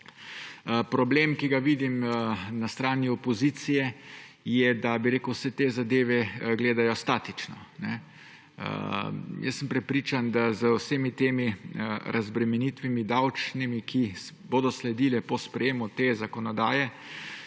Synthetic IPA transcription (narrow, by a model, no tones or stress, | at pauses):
pɾɔbleːmkiɡaʋiːd̪imnast̪ɾaːniɔpɔziːt̪sijɛ | jɛd̪abiɾeːkuwsɛt̪eːzad̪eːʋɛɡleːd̪ajɔst̪aːt̪it͡ʃnɔnɛ | ə̰jə̰sːəmpɾɛpɾiːt͡ʃand̪azəwsemit̪eːmiəɾʔazbɾɛmɛnit̪ʋimid̪awt͡ʃnimikʰi | boːd̪ɔslɛd̪iːlɛpɔspɾɛjeːmut̪eːzakɔnɔd̪a̰ːjɛ